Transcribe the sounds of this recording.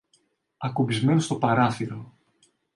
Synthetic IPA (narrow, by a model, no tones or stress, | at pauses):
ɐkobizme̞nost̪o̞pɐɾɐθiɾo̞